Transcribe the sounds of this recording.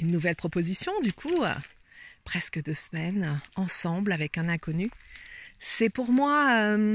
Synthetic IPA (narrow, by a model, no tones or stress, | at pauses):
ynːuvɛlpχɔpozisjɔ̃d̪ykʰṵ | pχɛskəd̪øsmɛnɑ̃sɑ̃blavɛkɛ̃nɛ̃kɔny | sɛpuʁmwaø